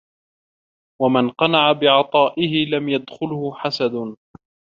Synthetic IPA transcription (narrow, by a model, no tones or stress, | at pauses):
wamanqɑnaʕabɪʕɑt̪ˤɑːʔɪhɪlamjad̪xʊlhʊħasad̪ʊ